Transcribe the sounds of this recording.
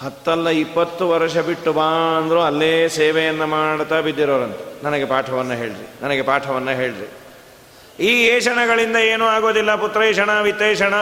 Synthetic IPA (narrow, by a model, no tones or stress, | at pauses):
hɐt̪ːɐlːɐipːɐt̪ːuʋɐɾɐʂɐbiʈːubaːɐnd̪ɐɾuɐlːeːseːʋɛjɐnːɐmaːɽt̪aːbid̪ːiɾoːɾɐnt̪ɐnɐnɐɡepaːʈʰɐʋɐnːɐɦe̞ːɭɾinɐnɐɡe̞paːʈʰɐʋɐnːɐɦe̞ːɭɾḭ | iːeːʃɐɳɐɡɐɭind̪ɐeːnuaːɡo̞ːd̪ilːɐput̪ɾɐeːʂɐɳɐʋit̪ːeːʂɐɳɐ